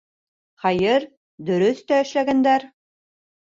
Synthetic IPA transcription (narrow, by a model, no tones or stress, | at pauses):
χɑjɤɾ | d̪ɵ̆ɾɵθt̪æɘ̆ʃlæɡænd̪æɾ